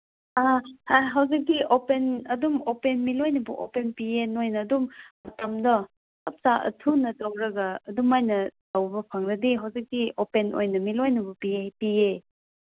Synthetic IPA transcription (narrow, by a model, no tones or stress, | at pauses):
ahaɦawzik̚diʔopenɐdumopenmilojnɐbɐʔo̰penpienojnɐːdummɐtamdɔ | ɐp̚saʔɐ̰tʰunɐtawɾɐɡɐːdumːajnɐtawbɐpʰaŋɾɐdiɦawzik̚diopenʔo̰jnɐmilojnɐbɐpiepie